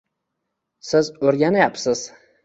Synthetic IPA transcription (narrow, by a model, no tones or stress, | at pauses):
sɪzɵɾɡʲanajapsɪz̥